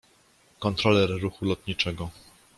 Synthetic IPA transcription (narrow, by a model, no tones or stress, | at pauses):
kɔnt̪ɾɔlɛɾːuxulɔt̪ɲit͡ʂɛɡɔ